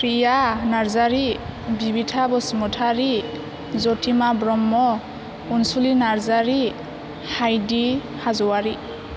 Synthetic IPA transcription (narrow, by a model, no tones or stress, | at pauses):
pɹijanaɹzaɹibibitʰabɔsmɔtʰaɹi | zɔtʰimabɹɔmːɔ | unsulinaɹzaɹi | hajdi | hazɔwaɹi